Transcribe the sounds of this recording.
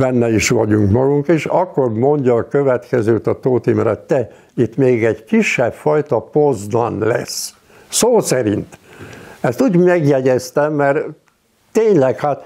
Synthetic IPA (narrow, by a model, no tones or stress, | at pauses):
bɛnːɛiʃʋɒɟuŋkmɒɡuŋkiʃɒkːormo̞ɲɟɒːkøvɛt̪kɛzøːt̪ɒt̪oːt̪imrɑ̰t̪ɛ | it̪meːɡɛɟkiʃːɛbfɒjt̪ɒpozd̪ɒ̰nlɛ̰s | soːsɛɾint̪ɛst̪uːɟmɛɡjɛɟɛst̪ɛmːɛr | t̪eːɲlɛkhaːt̪